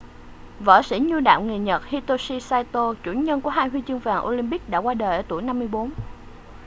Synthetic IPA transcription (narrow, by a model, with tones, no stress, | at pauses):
və̰ː˧˩sḭ˧˥ɲu˧ɗa̰ː˧˨wŋ͡mŋi˨˩ɲə˨˩t̚hi˧t̪o˧si˧saː˧jt̪o˧t͡ɕṵ˧˩ɲə˧nku˧˩əɦaː˧jɦwi˧t͡ɕɨ˧ŋvaː˨˩ŋʔo˧li˧mɓi˦˥k̚ɗa̰ː˧˥kwaː˧ɗəː˨˩jʔəː˧˩t̪u˧˩jna˧mːɨ˧əjɓo˨˦n